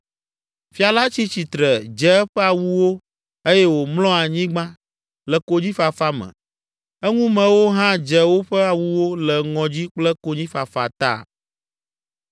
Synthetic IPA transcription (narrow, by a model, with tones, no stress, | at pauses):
fi˦a˨la˦t͡ɕi˦t͡ɕi˨t̪ɾɛ˨d͡ʒɛ˦ɛ˦ɸɛ˦a˨wu˦wo˦ | e˦jɛ˦wo˨mlɔ̃˦a˨ɲĩ˦ɡ͡bã˦ | lɛ˨ko˦d͡ʑi˦fa˨fa˦mɛ̰̃˨ | ɛ˦ŋũ˦mɛ̃˨wo˦ɦã˦d͡ʒɛ˨wo˦ɸɛ˦a˨wu˦wo˦lɛ˨ŋɔ̃˨d͡ʑi˦k͡plɛ˦ko˦ɲĩ˦fa˨fa̰˨t̪a̰˦˨